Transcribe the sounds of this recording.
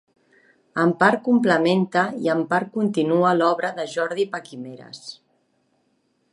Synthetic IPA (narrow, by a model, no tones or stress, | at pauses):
əmpaɾkumpləment̪əiəmpaɾ̚kunt̪inuəlɔβɾəðəʒɔɾðipakimeɾə̰s